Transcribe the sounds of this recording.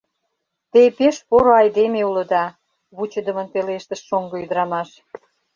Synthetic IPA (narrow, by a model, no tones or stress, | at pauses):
t̪epeʃpoɾoɑjd̪emeulə̆d̪ɑ | βut͡ɕə̆d̪ə̆mə̆np̪eleʃt̪ə̆ʃːoŋɡɤ̆yd̪əɾɑmɑʃ